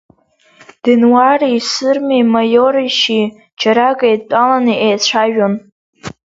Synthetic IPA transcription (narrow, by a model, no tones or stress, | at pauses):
d̥ɨnwariisɨrmimajoɾiʃi | t͡ʃʰaɾakʼajtʼalaniʔejt͡ɕʷʰaʒᶣon